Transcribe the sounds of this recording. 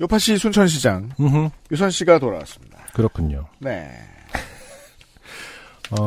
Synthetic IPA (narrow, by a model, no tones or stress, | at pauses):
jopʰaɕ͈isʰunt͡ɕʰʌnɕ̬ʰid͡ʑaŋɯɦɯjosʰʌnɕ͈ʰiɡatoɾa̰wa̰s͈ɯ̥mɲida̰kɯɾʌkʰuɲo̰ne̞̰ | ʌ